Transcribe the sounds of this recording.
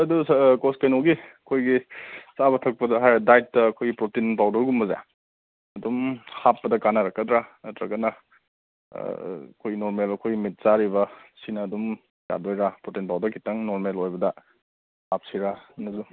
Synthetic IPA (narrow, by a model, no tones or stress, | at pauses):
ɐduskoskajnoɡiɐkʰojɡisabɐtʰɐk̚pɐdɐɦajdajtːɐːkʰojɡipɾotinpawdɐɾɡumbɐza̰ | ɐdumhapːɐdɐkanaɾɐkːɐdɾanɐtɾakɐnɐ̰ | kʰojnoɾmelɐkʰojɡimit̚saɾibɐsinɐːdum | ja̰dojɾapɾotinpawdɐɾkʰitaŋnoɾmelojbɐdɐ | hap̚siɾanɐzu